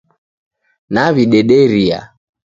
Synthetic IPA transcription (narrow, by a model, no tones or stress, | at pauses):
naβiɗɛɗɛɾia̰